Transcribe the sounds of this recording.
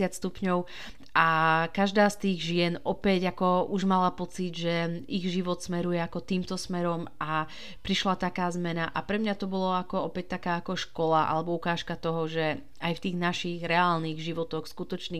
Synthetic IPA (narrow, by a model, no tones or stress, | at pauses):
ɪatst̪upɲɔʊ | ʔakaʒd̪aːst̪iːɣʒɪɛnɔpɛɟakɔuʒmalapɔt͡sid̪ʒɛiɣʒiʋɔt̪smɛɾujɛakɔt̪iːmt̪ɔsmɛɾɔma | pɾiʃlat̪akaːzmɛnaʔapɾɛmɲat̪ɔbɔlɔakɔɔpɛc̚t̪akaːakɔʃkɔlaʔa̰lɛbɔukaːʃkat̪ɔɦɔʒɛ | ajft̪iːɣnaʃiɣɾɛaːlniːɣʒiʋɔt̪ɔxskut̪ɔt͡ʃniː